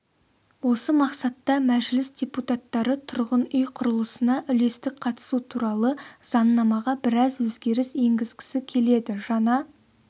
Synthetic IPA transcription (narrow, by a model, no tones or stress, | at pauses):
wo̞səmɑqsɑt̪ːɑmæʒlɪsdʲe̞put̪ɑt̪ːɑɾət̪ʰʊɾʁənʏjqʰʊɾəlˠəsənɑʔʏle̞st̪ɪk̚qʰɑt̪ə̥sut̪ʰuɾɑlˠəz̥ɑnːɑmɑʁɑbɪɾɑzwɵzɡʲe̞ɾɪse̞ŋɡʲɪzɡʲɪ̥sɪkʲʰe̞le̞d̪ɪʒɑnɑ